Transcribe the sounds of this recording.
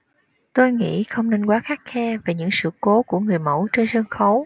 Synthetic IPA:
t̪o˧jŋḭ˧˥xə˧wŋ͡mne˧nkwaː˨˦xaː˦˥t̚xɛ˧ve˨˩ɲɨ̰˧˥ŋsɨ̰˧˨ko˨˦ku˧˩əŋɨ˨˩əjmə̰˧˩wt͡ɕe˧nzə˧nxə˨˦w

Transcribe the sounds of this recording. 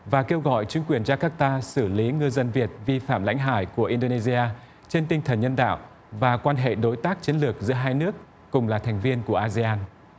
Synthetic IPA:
vaː˨˩ke˧wɣɔ̰˧˨jt͡ɕï˨˦ŋkwi˨˩ənzaː˧kaː˦˥k̚t̪aː˧sɨ˧˩li˨˦ŋɨ˧zə˧nvi˨˩ət̚vi˧fa̰ː˧˨mla̰˧˥jŋ̟ɦa̰ː˧˩jku˧˩əʔi˧nɗo˧ne˧zi˧aː˧ | t͡ɕe˧nt̪ï˧ŋ̟t̪ʰə˨˩nɲə˧nɗa̰ː˧˨w | vaː˨˩kwaː˧nɦḛ˧˨ɗo˨˦jt̪aː˦˥k̚t͡ɕi˨˦ənlɨ˨˩ək̚zɨ̰˧˥ɦaː˧jnɨ˦˥əkː | ʊ˨˩ŋ͡mlaː˨˩t̪ʰɛ˨˩ŋ̟vi˧ənku˧˩əʔaː˧zi˧ʔaː˧n

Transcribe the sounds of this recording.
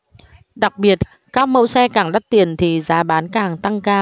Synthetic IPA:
ɗa˨˩k̚ɓi˨˩ət̚ | kaː˦˥k̚mə˧wsɛ˧kaː˧˩ŋɗa˦˥t̚t̪i˨˩ənt̪ʰi˨˩zaː˨˦ɓaː˨˦nkaː˧˩ŋt̪a˧ŋkaː˧

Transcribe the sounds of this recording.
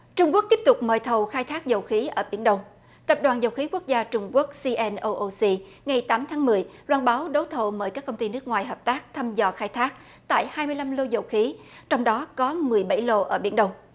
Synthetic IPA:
t͡ɕʊ˧ŋ͡mku˦˥ək̚t̪i˦˥p̚t̪ʊ˨˩k͡p̚məː˨˩jt̪ʰə˨˩wxaː˧jt̪ʰaː˦˥k̚zə˨˩wxi˨˦ʔəː˧˩ɓḭ˧˩ənɗə˧wŋ͡m | t̪ə˨˩p̚ɗwaː˨˩nzə˨˩wxi˨˦ku˦˥ək̚zaː˧t͡ɕʊ˧ŋ͡mku˦˥ək̚si˧ʔɛ˧nʔo˧ʔo˧si˧ | ŋa˨˩jt̪aː˨˦mt̪ʰaː˨˦ŋmɨ˨˩əjlwaː˧nɓaː˨˦wɗə˨˦wt̪ʰo˨˩məː˧˩jkaː˦˥kːə˧wŋ͡mt̪i˧nɨ˦˥ək̚ŋwaː˨˩jɦəː˨˩p̚t̪aː˦˥k̚t̪ʰa˧mzɔ˨˩xaː˧jt̪ʰaː˦˥k̚ | t̪a̰ː˧˨jhaː˧jmɨ˧əjla˧mlo˧zə˨˩wxi˨˦t͡ɕɔ˧wŋ͡mɗɔ˨˦kɔ˨˦mɨ˨˩əjɓa˧˩jlo˧ʔəː˧˩ɓi˧˩ənɗə˧wŋ͡m

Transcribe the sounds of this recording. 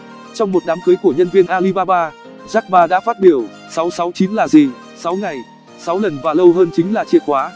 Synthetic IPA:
t͡ɕɔ˧wŋ͡mmo˨˩t̚ɗaː˨˦mkɨ˨˦jku˧˩əɲə˧nvi˧ənʔaː˧li˧ɓaː˧ɓaː˧ | zaː˦˥k̚ɓaː˧ɗa̰ː˧˥faː˦˥t̚ɓi˧˩əw | sa˨˦wsa˨˦wt͡ɕi˨˦nlaː˨˩zi˨˩ | sa˨˦wŋa˨˩j | sa˨˦wlə˨˩nvaː˨˩lə˧wɦəː˧nt͡ɕï˨˦ŋ̟laː˨˩t͡ɕi˧˩əkwaː˨˦

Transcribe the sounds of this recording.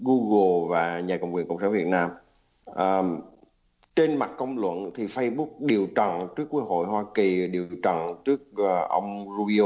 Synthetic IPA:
ɣu˧ɣo˨˩vaː˨˩ɲaː˨˩kə̰˨˧˨wŋ͡mkwəŋkə̰˧˨wŋ͡msaː˧˦nvi˨˩ət̚naː˧m | ʔəː˨˩ | t͡ɕe˧nma˨˩t̚kə˧wŋ͡mlwə̰˧˨nt̪ʰi˨˩fə˧jɓu˦˥k̚ɗi˨˩əwt͡ɕə̰˧˨nt͡ɕɨ˦˥ək̚ːwu˦˥ək̚ho̰˧˨jhwaː˧ki˨˩ɗi˨˩əwt͡ɕə̰˧˨nt͡ɕɨ˦˥ək̚ːʔə˧wŋ͡mzu˧i˧o˧

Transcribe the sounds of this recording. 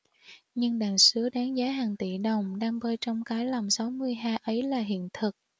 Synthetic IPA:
ɲɨ˧ŋɗaː˨˩nsɨ˨˦əɗaː˨˦ŋzaː˨˦ɦaː˨˩ŋt̪ḭ˧˩ɗə˨˩wŋ͡mɗaː˧ŋvəː˧jt͡ɕɔ˧wŋ͡mkaː˨˦jla˨˩msa˨˦wmɨ˧əjɦaː˧ʔə˨˦jlaː˨˩ɦḭ˧˨ənt̪ʰɨ˨˩k̚

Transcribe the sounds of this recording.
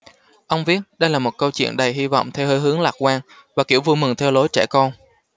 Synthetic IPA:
ʔə˧wŋ͡mvi˦˥ət̚ɗə˧jlaː˨˩mo˨˩t̚kə˧wt͡ɕwḭ˧˨ənɗə˨˩jɦi˧vɔ̰˧˨wŋ͡mt̪ʰɛ˧whəː˧jɦɨ˨˦əŋlaː˨˩k̚kwaː˧n | vaː˨˩ki˧˩əwvu˧jmɨ˨˩ŋt̪ʰɛ˧wlo˨˦jt͡ɕɛ˧˩kɔ˧n

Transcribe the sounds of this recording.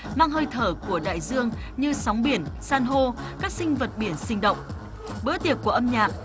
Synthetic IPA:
maː˧ŋɦəː˧jt̪ʰəː˧˩ku˧˩əɗa̰ː˧˨jzɨ˧əŋɲɨ˧sɔ˨˦wŋ͡mɓi˧˩ənsaː˧nɦo˧kaː˦˥k̚sï˧ŋ̟və˨˩t̚ɓi˧˩ənsï˧ŋ̟ɗə̰˧˨wŋ͡m | ɓəː˧˥t̪i˨˩ək̚ːu˧˩ʔə˧mɲaː˨˩k̚

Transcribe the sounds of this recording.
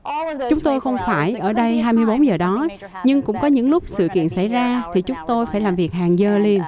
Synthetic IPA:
t͡ɕʊ˨˦ŋ͡mt̪o˧jxə˧wŋ͡mfaː˧˩jʔəː˧˩ɗə˧jɦaː˧jmɨ˧əjɓo˨˦nzəː˨˩ɗɔ˨˦ | ɲɨ˧ŋkʊ̰˧˥ŋ͡mkɔ˨˦ɲɨ̰˧˥ŋlʊ˦˥k͡p̚sɨ̰˧˨kḭ˧˨ənsa˧˩jzaː˧t̪ʰi˨˩t͡ɕʊ˨˦ŋ͡mt̪o˧jfaː˧˩jlaː˨˩mvi˨˩ək̚haː˨˩ŋzəː˧˩li˧ən

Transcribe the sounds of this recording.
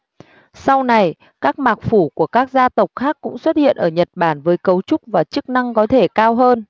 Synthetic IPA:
sa˧wna˨˩j | kaː˦˥k̚maː˨˩k̚fu˧˩ku˧˩əkaː˦˥k̚zaː˧t̪ə˨˩wk͡p̚xaː˦˥kːʊ̰˧˥ŋ͡mswə˦˥t̚hḭ˧˨ənʔəː˧˩ɲə˨˩t̚ɓaː˧˩nvəː˨˦jkə˨˦wt͡ɕʊ˦˥k͡p̚vaː˨˩t͡ɕɨ˦˥k̚na˧ŋkɔ˨˦t̪ʰe˧˩kaː˧wɦəː˧n

